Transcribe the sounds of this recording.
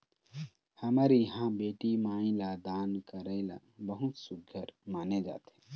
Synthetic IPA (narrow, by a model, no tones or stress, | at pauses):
hɐmaːɾiɦãbeːʈimaːĩlad̪aːnkəɾəɪla̰bəɦʊt̪sʊɡʱəɾmaːned͡ʒa̰ːt̪ẽ